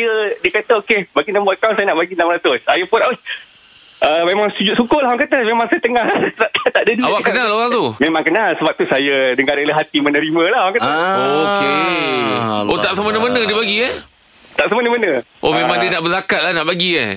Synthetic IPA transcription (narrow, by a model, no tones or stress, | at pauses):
jədiəkat̪əokebaɡinambɔkawnsajənaʔbaɡinaməɾat̪ʊsajapʊna | ʔəmemaŋsud͡ʒuʔsukʊlahɦwaŋkat̪əmemaŋsajat̪əŋaht̪at̪at̪aʔdəduawakənaloɣaŋt̪umemãŋkənalsəbap̚t̪usajədəŋaɾeləɦat̪imənəɾimə̃lahwaŋkat̪əoke | ot̪aʔsəmənəmənə̃diəbaɡiə | t̪aʔsəmənəmənə | ʔomẽmãŋdiənaʔbəlakat̪̚lahnaʔbaɡiə̰